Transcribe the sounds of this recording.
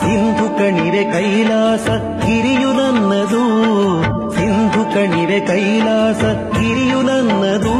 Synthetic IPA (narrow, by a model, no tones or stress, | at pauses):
sind̪ʱukɐɳiʋekɐjlaːsɐ | hiɾijudɐnːɐd̪u | sind̪ʱukɐɳiʋekɐjlaːsɐ | hiɾijulɐnːɐd̪u